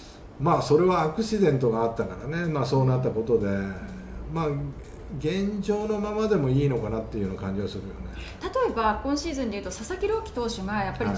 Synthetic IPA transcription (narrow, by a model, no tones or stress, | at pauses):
maːso̞ɾe̞βaːkɯ̟ɕid̪ẽ̞nt̪o̞ɡaːt̪ːakaɾane̞maːso̞ːnat̪ːako̞t̪o̞d̪e̞ | maː | ɡẽ̞ɲd͡ʑo̞ːno̞mamad̪e̞mo̞iːno̞kanat̪ːeijonakãɲ̟d͡ʑiβasɨɾɯ̟jo̞̰ne | t̪at̪o̞e̞baːkːõ̞ɰ̃ɕiːzɨ̃nd̪eɯ̟t̪o̞sasakʲiɾo̞ːkʲi̥t̪o̞ːɕoɡajapːaɾ